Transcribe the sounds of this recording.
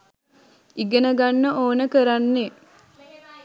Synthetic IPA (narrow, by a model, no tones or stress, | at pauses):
iɡenəɡanːəʔoːnəkəɾanːe